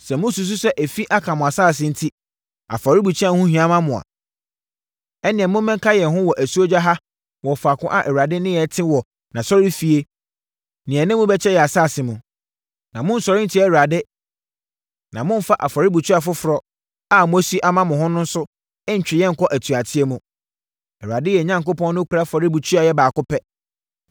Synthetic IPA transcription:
sɛ˨mʊ̃˦su˨s̬u˦sɛ˦ʔæ˨fi˦ʔa˦kʰã˨mʊ̃˨a˨saː˦˨s̬ɪ̃˨n̩˦tʰi˦ | a̰˨fa˨ɾɪ˦bu˨t͡ɕʰi˦a˦˨hʊ̃˦hɥã˦mã˦mʊ̃˨a̰˨ | ɛ˦nɪ̃˨ɛ˨mʊ̃˦mɛ̃˦ŋ˦kʰa˦jɛ˨ɦʊ̃˦wɔ˨ʔæ˨su˦o˦d͡ʑa˦ɦa˦ | wɔ˨fa˨kʰʊ̃˦ʔa˨ʔɛ˨ɥa˨dɪ˦nɪ̃˦jɛ˨tʰɪ̃˦wɔ˨ | nã˨sɔ˦ɾi˦fi˨e˦ | nɪ̃˨ɛ˨nɪ̃˦mʊ̃˦bɛ˦t͡ɕʰɛ˦jɛ˨a˨saː˦˨sɪ˨mʊ̃˨ | nã˨mʊ̃˦n̩˦sɔ˨ɾɪ˦n̩˦tʰi˦ɛ˦˨ɥu˨a˨dɪ˦ | nã˨mʊ̃˦m̩˦fa˦ʔa˨fɔ˨ɾɪ˦bu˨tʰu˦a˨fʊ˦fʊ˨ɾɔ˦ | a˦m˦si˦ʔa˦mã˦mʊ̃˨ɦʊ̃˦nʊ̃˦n̩˦sʊ˦ | ɪ̃˦ɲ̩˨t͡ɕᶣɪ˨jɛ̃˦ŋ̩˨kʰɔ˦ʔæ˨tʰu˨a˨tʰɪ˦e˦mũ˨ | ɛ˨ɾɥa˨dɪ˦jɛ˨ɲã˦ŋkʊ˦pɔ̃˦nː˦ʊ̃˦kʰu˨ɾa˦fɔ˨ɾɪ˦bu˨tʰu˦a˨jɛ˦baː˨kʊ˦pʰɛ˦

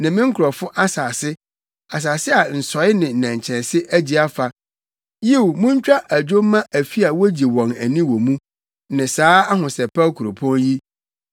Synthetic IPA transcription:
nɪ̃˨mɪ̃˦ŋ̩˦kʰʊ˨ɾɔ˨fʊ˦ʔa˦saː˨sɪ˦ | a˨s̬aː˨sɪ˦a˨n̩˨sɔ˨˦ɪ˦nɪ̃˨n̩˨nã˨ɲ˨t͡ɕʰɛ̃˨nsɪ˦ʔæ˦d͡ʑi˨a˦fa˨ | ji˦˨wmũ˦ɲ˦t͡ɕᶣa˦ʔæ˨d͡ʑᶣo˦mː˦ã˦ʔæ˨fi˦a˨wo˦d͡ʑi˨wɔ̃˨næ˨nĩ˦wɔ̃˨mũ˦ | nɪ̃˨saː˦a˦ɦʊ̃˨sɛ˨pʰa˦kʰu˨ɾo˨pʰɔ̃˦nji˦

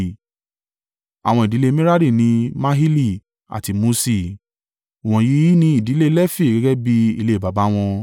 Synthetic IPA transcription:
a̰˨w̃ɔ̃˧i˨di˨˦le˦mĩ˦ɾa˦ɾi˦˨nĩ˧mã˦ɦi˦li˦˨ | a̰˨ti˧mo˧˦si˦˨ | ɔ̃˨˧ji˨˦nĩ˧i˨di˨˦le˦lɛ˦fi˦˨ɡɛ˧˦ɡɛ˦bi˧ḭ˧le˧˨ba˨ba˨˦w̃ɔ̃˧

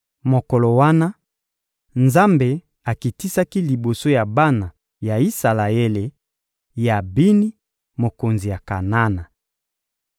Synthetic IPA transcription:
mo˨ko˨lo˨wa˦na˦ | nza˦mbe˨ | a˨ki˨ti˦sa˦ki˦li˨bo˨so˦ja˨ba˦na˨ | ja˨i˦sa˨la˨e˦le˨ | ja˨bi˦ni˦ | mo˨ko˨nzi˨ja˨ka˨na˦na˨

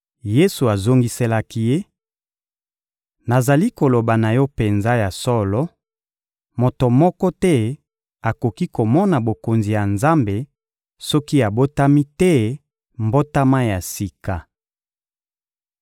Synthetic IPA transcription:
je˦su˨a˨zo˦ŋɡi˦se˦la˦ki˦je˦ | na˨za˨li˦ko˨lo˨ba˨na˨jɔ˦pe˨nza˦ja˨sɔ˦lɔ˦ | mo˨to˨mɔ˦kɔ˦tɛ˦ | a˨ko˨ki˦ko˨mɔ˦na˨bo˨ko˨nzi˨ja˨nza˦mbe˨ | sɔ˦ki˦a˨bo˦ta˦mi˦tɛ˦ | mbo˦ta˦ma˦ja˨si˨ka˨

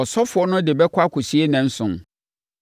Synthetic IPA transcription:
ɔ˨sɔ˦fʊ˨ɔ˦nʊ̃˦dɪ˨bɛ˦kʷʰa˦kʰʊ˨si˦e˦nɛ̃˨n̩˦sʊ̃˨n

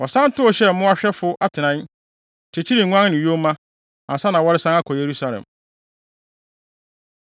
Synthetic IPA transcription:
ɔ˨sã˦n˦tʊ˦ɔ˨ɕɛ˦˨m̩˨mʊ̃˦a˦ɕᶣɛ˦fʊ˦ʔa˦tʰɪ˨nã˦˨ | t͡ɕʰe˨t͡ɕʰi˦ɾi˨ŋ̩˨ŋʷ˦ã˦nː˦nɪ̃˨jo˦mã˦ | ã˨sa˦nã˨wɔ˦ɾɪ˦sã˦na˦kʰɔ˨je˨ɾu˦sa˦lɛ̰̃˨m

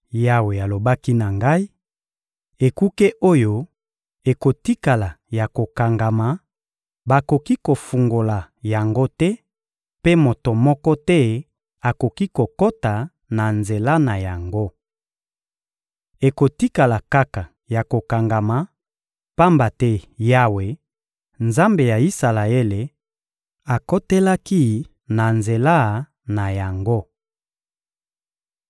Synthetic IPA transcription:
ja˨we˨a˨lo˨ba˦ki˦na˨ŋɡa˦i˦ | e˨ku˦ke˦ʔo˦jo˦ | e˨ko˨ti˦ka˨la˨ja˨ko˨ka˨ŋɡa˨ma˨ | ba˨ko˨ki˦ko˨fu˨ŋɡo˨la˨ | ja˨ŋɡo˦tɛ˦ | pe˦mo˨to˨mɔ˦kɔ˦tɛ˦ | a˨ko˨ki˦ko˨ko˦ta˨ | na˨nze˨la˦na˨ja˨ŋɡo˦ | e˨ko˨ti˦ka˨la˨ka˦ka˨ | ja˨ko˨ka˨ŋɡa˨ma˨ | pa˦mba˨tɛ˦ja˦we˨ | nza˦mbe˨ja˨i˦sa˨la˨e˦le˨ | a˨ko˦te˦la˦ki˦ | na˨nze˨la˦ | na˨ja˨ŋɡo˦

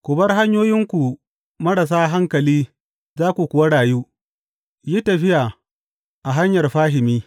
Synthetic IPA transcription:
kʷʊ˨bɐ˦rɦa˦ɲjoː˦jɪ˦ŋkʷu˨ | mɐ˦ɽa˨s̬aː˦ɦa˦ŋkɐ˨liː˦ | zaː˦kʷu˨kʷʊ˨wɐ˦ɽaː˨juː˦ | ji˦tɐ˨ɸɪ˦ja˨ | ʔa˨ɦa˦ɲjɐ˨rɸaː˦ɦɪ˨miː˦

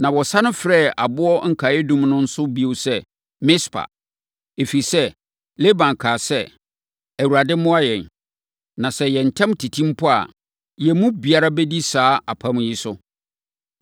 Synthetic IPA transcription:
nã˨wɔ˨sa˦nʊ̃˦fɾɛː˦˨a˨bʊ˦ɔ˦ŋ̩˦kʰa˨jɛ˦dũ˦mnʊ̃˦n̩˦sʊ˦bi˦o˨˦sɛ˦˨ | mɪ̃˦spʰa̰˨ | e˨fi˨sɛ˦ | le˦bã˨ŋ˨kʰaː˨sɛ˦ | æ˨wu˨ɾa˨dɪ˦mʊ̃˦a˦jɛ̃˨n | nã˨sɛ˦jɛ˨n̩˨tʰɛ̃˦mtʰi˨tʰĩ˦m˦pʰʊ˦a̰˨ | jɛ˨mũ˦bi˨a˦ɾa˦bɛ˦di˦saː˨˦a˨pʰã˦m˦ji˦sʊ˦

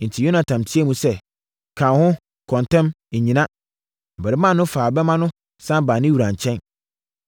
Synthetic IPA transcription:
n̩˨tʰi˨jo˦nã˨tʰã˨mtʰi˦ɛ˦mũ˦sɛ˦˨ | kʰã˨nhʊ̃˦ | kʰɔ̃˨ntɛ̃˦m̩˨ | ɲĩ˨nã˦ | m̩˨bɛ˨ɾɪ˦mã˦˨nʊ̃˦faː˨bɛ˦mã˦nʊ̃˦ | sã˦baː˨nɪ̃˦wu˨ɾã˨ɲ˨t͡ɕʰɛ̃˦n

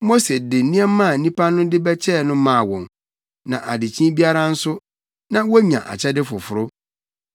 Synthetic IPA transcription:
mo˦se˨dɪ˨n̩˦nĩ˦ɛː˦ã˦˨nĩ˦pʰa˦nʊ̃˦dɪ˦bɛ˦t͡ɕʰɛ˦˨nʊ̃˦mãː˦˨wɔ̃˨n | nã˨ʔa˨dɪ˨t͡ɕʰĩ˦bi˦a˦ɾa˦n̩˦sʊ˦ | nã˨wo˦ɲã̰˨ʔa̰˨t͡ɕʰɛ˦dɪ˦fʊ˨fʊ˨ɾʊ˦

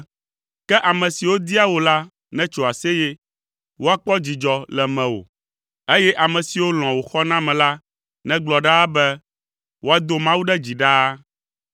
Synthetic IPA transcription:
kɛ˦ʔa˨mɛ̃˨si˨wo˦d̪i˦a˦wo˨la˦ | nɛ̃˦t͡ʃo˨a˨sɛ˦jɛ˦ | wo˦a˨k͡pɔ˦d͡ʑi˨d͡ʒɔ˨lɛ˨mɛ̃˨wo̰˨ | e˦jɛ˦ʔa˨mɛ̃˨si˨wo˦l̃ɔ̃˨wo˨xɔ˦nã˦mɛ̃˨la˦ | nɛ̃˦ɡ͡blɔ˨ɖa˦bɛ˦ | wo˦a˨d̪o˦mã˦wu˦ɖɛ˦d͡ʑi˨ɖa˦

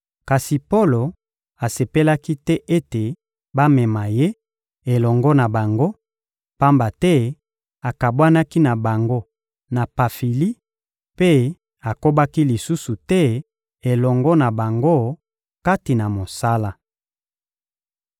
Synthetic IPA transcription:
ka˨si˨po˦lo˨ | a˨se˨pe˦la˦ki˦tɛ˦ʔe˦te˨ | ba˦mɛ˨ma˨je˦ | e˨lɔ˨ŋɡɔ˦na˨ba˨ŋɡo˦ | pa˦mba˨tɛ˦ | a˨ka˨bwa˦na˦ki˦na˨ba˨ŋɡo˦ | na˨pa˨fi˨li˦ | pe˦ | a˨ko˦ba˦ki˦li˨su˦su˨tɛ˦ | e˨lɔ˨ŋɡɔ˦na˨ba˨ŋɡo˦˨ | ka˦ti˨na˨mo˨sa˦la˦

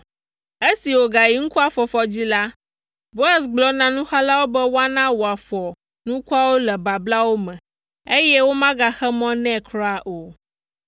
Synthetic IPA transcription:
e˦si˨wo˨ɡa˨ji˨˦ŋ̩˦ku˦a˦˨fɔ˨fɔ˨d͡ʑi˦la˦ | bo˦a˨sɡ͡blɔ˨˦nã˨nũ˦xa˦la˦wo˦bɛ˦wo˦a˦nã˦wo˨a˨fɔ˨ | nũ˦ku˦a˦wo˦lɛ˨ba˨bla˦wo˦mɛ̃˨ | e˦jɛ˦wo˦mã˦ɡa˨xɛ˦mɔ̃˦nɛ̃˦˨kɾa˨ʔo˨

